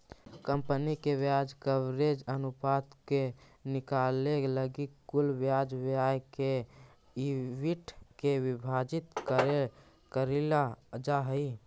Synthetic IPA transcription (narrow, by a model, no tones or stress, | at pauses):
kəmpənikebjad͡ʒkəʋɾed͡ʒənupat̪ke | nikaleləɡikɡulbjad͡ʒʋjajke | iʋiʈkeʋibʱad͡ʒit̪kəɾe | kəɾilad͡ʒaɦəi